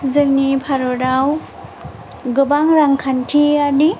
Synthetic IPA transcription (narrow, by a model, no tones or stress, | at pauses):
zɯŋnipʰaɾoɾaw | ɡɯbaŋɾaŋkʰantʰiani